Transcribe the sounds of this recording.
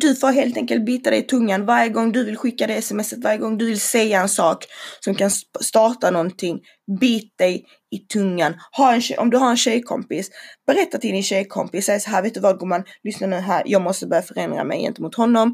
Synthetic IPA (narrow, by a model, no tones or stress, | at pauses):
d̪ɵfoːɾɦeːlt̪ʰɛŋkəlt̪̚biːt̪ad̪ɛjɪt̪ʰɵŋːanvaɾjəɡɔŋːd̪ɵvɪlɧɪkːad̪ɛɛsɛmɛsːət̪vaɾjəɡɔŋːd̪ɵvɪlsɛjːaɛnsɑːksɔmkʰanst̪ɑːʈanɔnt̪ʰɪŋː | biːt̪̚d̪ɛj | ɪt̪ʰɵŋːanhaɾɛnɕɛʔɔ̰md̪ɵɦaɾɛnɕɛjkʰɔ̰mpɪsb̥ɛɾɛt̪ːat̪ʰɪld̪ɪnɕɛjkʰɔ̰mpɪsɛjsɔɦæːɾveːt̪d̪ɵvad̪ɡʊːmanlʏsnaɳʉ̟ːɦæ̰ːɾjʔɑːɡmɔst̪əbœːɾjafœɾɛnd̪ɾa̰mɛ̰jɛ̰nt̪əmʊt̪hɔnːɔm